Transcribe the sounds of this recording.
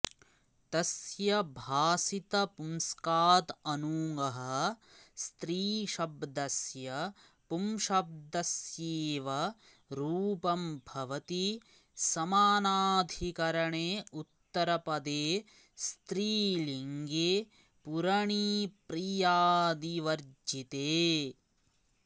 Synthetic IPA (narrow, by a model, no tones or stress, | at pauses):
t̪ɐsjɐbʱaːsit̪ɐpumskaːt̪ɐnuːŋɡɐɦɐst̪ɾiːʃɐbd̪ɐsjɐ | pumʃɐb̚d̪ɐsjeːʋɐ | ɾuːpɐmbʱɐʋɐt̪i | sɐmaːnaːd̪ʱikɐɾɐɳeːut̪ːɐɾɐpɐd̪eː | st̪ɾiːliŋɡeː | puɾɐɳipɾijaːd̪iʋɐɾd͡ʒit̪eː